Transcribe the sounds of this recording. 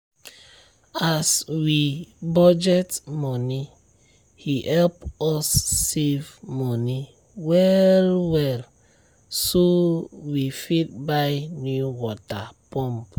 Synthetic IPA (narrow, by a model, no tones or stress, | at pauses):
aswibɔd͡ʒɛtmɔni | hihɛlpɔsːevmɔni | wɛlwɛl | sowifit̚bajnjuwɔtapɔ̃mp